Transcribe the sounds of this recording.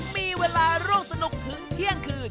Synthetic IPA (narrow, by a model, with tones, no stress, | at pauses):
miː˧weː˧laː˧ɾuː˥˩ŋsa˧nu˨˩k̚t̪ʰɯ˩˦ŋt̪ʰi˥˩əŋkʰɯː˧˩